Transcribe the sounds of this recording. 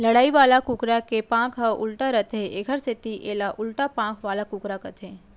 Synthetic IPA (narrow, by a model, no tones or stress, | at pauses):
lɐɽaːiʋaːlakʊkɾakepãːkʰɦəʔʊ̰lʈaɾɐt̪ʰɦeʔekʰəɾset̪iʔeːlaʔʊlʈapãːkʰʋaːlakʊkɾakɐt̪ʰeː